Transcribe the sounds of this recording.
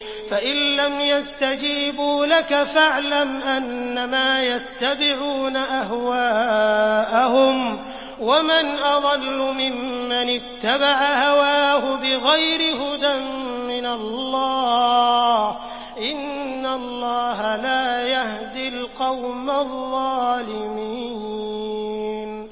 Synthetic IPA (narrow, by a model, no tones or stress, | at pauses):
faʔɪlːamjast̪ad͡ʒiːbuːlakafaʕlamʔanːamaːjat̪ːabɪʕuːnaʔaɦwaːʔaɦʊm | wamanʔɑd̪ˤɑlːʊmɪmːanɪt̪ːabaʕahawaːhʊbɪɣajɾɪɦʊd̪amːɪnalˤːɑː | h | ʔɪnːalˤːɑːɦalaːjahd̪ɪlqɑwmaðˤɑːlɪmiː | n